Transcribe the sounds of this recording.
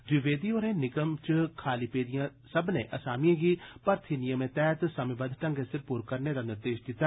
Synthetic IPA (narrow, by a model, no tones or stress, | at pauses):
d͡ʒɪʋeːd̪iːoːɾẽːnɪkəmt͡ʃkʰaːliːpeːd̪ijãːsəbnḛ̃ːʔəsaːmijãːɡiːpəɾt̪ʰinɪjəmẽːt̪ɛːt̪səmebəd̪ʈə̃ŋɡesɪɾpuːɾkəɾneːd̪aːnɪɾd̪eːʃd̪ɪt̪ːa